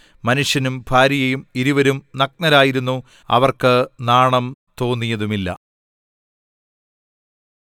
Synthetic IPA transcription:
mɐnuʂjɐnumbʱaːɾijɐjumiɾiʋɐɾumnɐk̚nɐɾaːjiɾun̪ːu | ɐ̰ʋɐrkɨnaːɳɐmt̪o̞ːnːijɐðumilːɐ̰

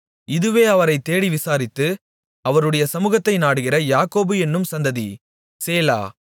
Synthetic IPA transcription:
ɪðɯʋeːɐʋɐɾɐɪt̪ːeːɽiʋɪsaːɾɪt̪ːɯ | ɐʋɐɾɯɽɐjɐsɐmuːɣɐt̪ːɐɪnaːɽɯɣɪrɐjaːkoːbɯɛnːɯmsɐnd̪ɐðḭ | seːla̰ː

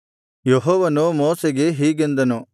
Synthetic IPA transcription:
jeɦɔːʋɐnumoːseɡeɦiːɡend̪ɐnu

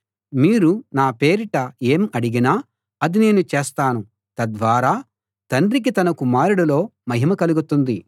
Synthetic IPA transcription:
miːɾunaːpe̞ːɾiʈɐe̞ːmɐɽiɡinaː | ɐd̪ine̞ːnut͡ʃe̞ːst̪aːnu | t̪ɐd̪ʋaːɾaː | t̪ɐɳɖɾik̬it̪ɐnɐkumaːɾuɽɐlo̞ːmɐɦimɐkɐluɡut̪und̪i

